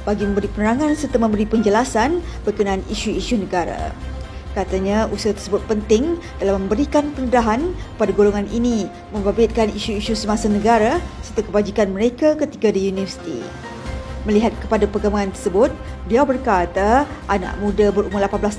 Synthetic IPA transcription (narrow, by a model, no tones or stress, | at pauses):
b̥aɡimə̃mbəɾipənəɾaŋansərt̪amə̃mbəɾipəɲd͡ʒəlasanbərkənaːniʃuiʃunəɡaɾa̰ | kat̪aɲausat̪ərsəbʊt̪̚pənt̪ɪŋ | dalaməmbəɾikanpənədaɦankə̥padaɡoloŋanʔini | mə̃mbabɪt̪̚kaniʃuiʃusəmasanəɡaɾasərt̪akəbad͡ʒikanməɾekakət̪iɡadijunivərsi̥t̪ḭ | məliɦat̪̚kəpadapərɡamaant̪ərsəbʊt̪̚biawbərkat̪aʔana̰ʔmũdabəɾumʊrlapanblas